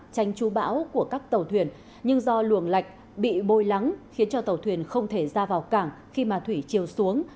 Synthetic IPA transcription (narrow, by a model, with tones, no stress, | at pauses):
t͡ɕa˨˧jŋ̟t͡ɕu˨˦ɓa̰ː˧˥wku˧˩əkaː˦˥k̚t̪ə˨˩wt̪ʰwḭ˧˩ən | ɲɨ˧ŋzɔ˧lu˧˩əŋla˨˩jk̟̚ | ɓḭ˧˨ɓo˧jla˨˦ŋxi˨˦ənt͡ɕɔ˧t̪ə˨˩wt̪ʰwi˨˩ənxə˧wŋ͡mt̪ʰe˧˩zaː˧vaː˨˩wkaː˧˩ŋ | xi˧maː˨˩t̪ʰwi˧˩t͡ɕi˨˩əwsu˨˦əŋ